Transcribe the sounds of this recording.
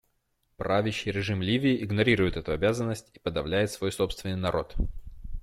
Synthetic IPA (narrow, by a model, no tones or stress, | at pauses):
pɾavʲɪɕːɪjɾʲɪʐɨmlʲivʲɪːʔɪɡnɐɾʲiɾʊjɪt̪ɛt̪ʊɐbʲazənːəsʲtʲi̥pəd̪ɐvlʲæjɪt̪svo̞jso̞pst̪vʲɪnːɨjnɐɾʔo̞̰t̪